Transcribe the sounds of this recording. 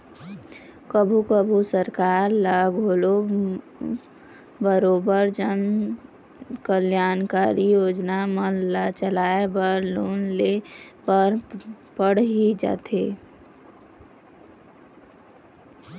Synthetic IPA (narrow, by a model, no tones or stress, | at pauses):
kəbʱukəbʱusəɾkaːɾlaːɡʱoːlo | bəɾoːbəɾd͡ʒən | kəljaːnkaːɾijoːd͡ʒnaməlat͡ʃəlaːebəɾloːnlepəɾ | pəɽ̤ɦid͡ʒa̰ːt̪ʰeː